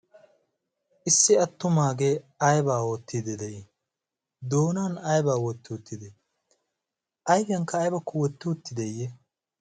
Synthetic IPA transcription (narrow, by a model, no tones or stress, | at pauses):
ʔɪsːɪɐt̪ːʊmaːɡeɐjbaːwot̪ːɪd̪ɛd̪ɛj | d̪oːnaːnɐjbaːwɔt̪ːɪwʊt̪ːɪd̪ɛ | ʔɐjbɪjɐŋkːɐːjbɐkːʊwɔt̪ːɪwʊt̪ːɪd̪ɛjːɛ